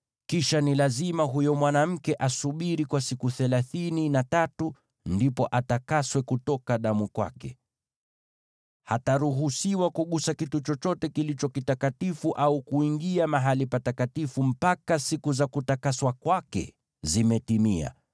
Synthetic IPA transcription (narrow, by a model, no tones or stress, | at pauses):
kiʃanilazimaɦujɔmwanam̩kɛʔasuɓiɾikwasikuθɛlaθininatatu | ndipɔʔatakaswɛkutɔkaɗamukwa̰kɛ | hataɾuɦusiwakuɠusakitut͡ʃɔt͡ʃɔtɛkilit͡ʃɔkitakatifuʔaukuiŋɡiamaɦalipatakatifum̩pakasikuzakutakaswakwakɛ̰ | zimɛtimia̰